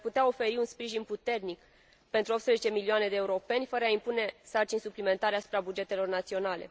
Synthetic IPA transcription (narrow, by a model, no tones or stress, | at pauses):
put̪eao̞fe̞ɾiunspɾiʒinput̪e̞rnik | pe̞nt̪ɾuopspɾezet͡ʃe̞miliane̞d̪eːuɾo̞pe̞nʲfəɾəaimpune̞sart͡ʃinʲsuplime̞nt̪aɾeasu̥pɾabud͡ʒe̞t̪e̞lo̞rnat̪sio̞nale̞̰